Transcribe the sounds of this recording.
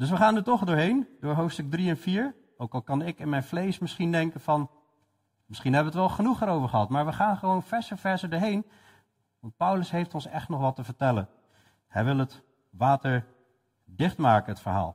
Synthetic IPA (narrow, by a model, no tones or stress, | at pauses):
d̥ɵs̬ʋəχaːndətɔχdʊːɹɦejndʊːɹɦowftstɵɡ̚driɛnfiːɹ | owkɑlˠkɑnɪkɪnmɛjnflejsmɪsχindɛŋkənvɑn | mɪsχinɦɛbəʋətʋɛlˠχənuχəɾowvəɹχəɦɑtmaːɹʋəχaːnχəʋownfɛɹsəvɛɹsədʊːɹɦejn | ʋɑnt̚pʌwləsɦejftɔnsɛχtnɔχʋɑtəvəɹtɛlən | hɛjʋɪlˠət | ʋaːtəɹ | dɪχtmaːkənətfəɹɦa̰ːlˠ